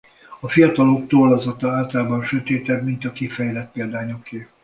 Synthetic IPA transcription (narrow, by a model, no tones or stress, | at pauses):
ɒfijɒt̪ɒlokt̪oːlɒzɒt̪ɒaːlt̪ɒlaːbɒnʃøt̪eːt̪ɛbmint̪ɒkifɛjlɛt̪̚peːld̪aːɲokːeː